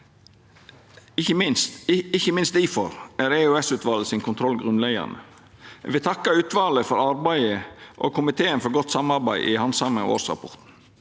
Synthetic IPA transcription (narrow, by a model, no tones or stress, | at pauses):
ɪçəmɪnst̪ɪçəmɪnst̪iːfɔɾæɾeœɛsʉːt̪ʰʋɑːləsɪnkʰʊnt̪ʰɾɔlɡɾʉnlæɡɑ̰nə̰ | ʋɪt̪ʰɑkːəɾʉːt̪ʋɑːləfɔɾɑɾbæɪəʔo̰ːkʰʊmɪt̪ʰeːənfɔɾɡɔt̪ːsɑmɑɾbæɪʔɪhɑnsɑməŋ̰o̰ːɾsʁɑ̰pʰɔɾt̪n̩